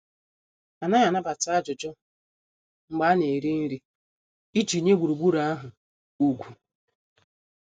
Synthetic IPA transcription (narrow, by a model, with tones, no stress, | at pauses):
a˨na˦ja˨na˦ba˨ta˦a˦d͡ʒʊ˨d͡ʒʊ˦ | ŋ͡m̩˨ɡ͡ba˦ne˨ɾi˦n̩˦ɾi˦ | i˦d͡ʒi˨ɲe˦ɡ͡bʷu˨ɾu˨ɡ͡bu˦ɾa˦a˦ɦʊ˨ | u˦ɡʷu˨